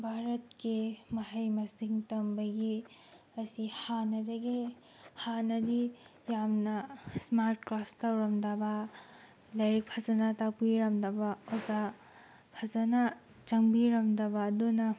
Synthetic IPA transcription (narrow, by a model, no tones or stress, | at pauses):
bʱaɾɐtkimɐɦɐjmɐsiŋtɐmbɐɡi | ɐsihanɐdɐɡi | hanɐdi | jamnɐsmaɾt̚klastɐwɾɐmdɐbɐ | lɐjɾik̚pʰɐzɐnatakpiɾɐmdɐbɐoza | pʰɐzɐna | t͡ʃɐŋbiɾɐmdɐbɐːdunɐ